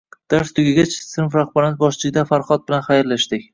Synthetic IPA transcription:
d̪̥aɾst̪ʰʊɡʲɪɡʲat͡ʃsɪnfɾaχbaɾnɪzbɒʃt͡ʃɪɡʲɪd̪afaɾχɒt̪̚bɪlanχajɾlaʃt̪ɪkʲ

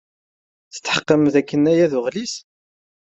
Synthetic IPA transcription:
θə̥t̪ːħə̥qːəmðækːənːæjæðʊʁlis

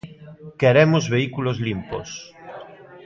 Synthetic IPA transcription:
keɾemozβeikulozlimpo̰s

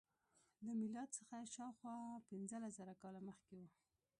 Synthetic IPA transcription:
ləmɪlɑd̪səxaʃɑwxwɑpɪnzəlaszəɾakɑlaməxkewu

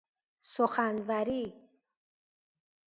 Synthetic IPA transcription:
soχanvaɾi

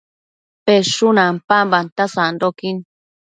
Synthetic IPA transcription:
peʂunãmpambant̪asandokin

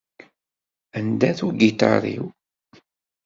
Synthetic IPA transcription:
ənd̪æθuɡit̪ɑ̰ɾˤḭw

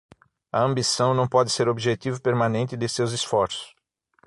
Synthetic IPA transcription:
ɐɐ̃mbisɐ̃w̃nɐ̃w̃pɔd̪ɪseɾobiʒet̪ivʊpeɾmɐnẽnt̪ɪd̪ɪsewzɪsfɔɾsʊ̥s

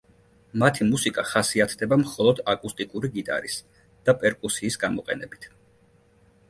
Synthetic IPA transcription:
mat̪ʰimusikʼaχasiat̪ʰd̪ɛbamχɔlˠɔd̪akʼust̪ʼikʼuɾiɡit̪ʼa̰ɾḭs | d̪̥apʼɛɾkʼusiːsɡamɔqʼɛ̰nɛbit̪ʰ

